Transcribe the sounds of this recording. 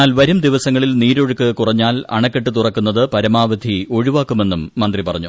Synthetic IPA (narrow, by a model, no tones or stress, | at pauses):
aːlʋɐɾumd̪iʋɐsɐŋːɐɭilniːɾo̞ɻukːɨkurɐɲːaːlɐ̰ɳɐkːeʈːɨt̪urɐkːunːɐðɨpɐɾɐmaːʋɐd̪ʱio̞ɻuʋaːkːume̞nːumːɐnd̪ripɐrɐɲːu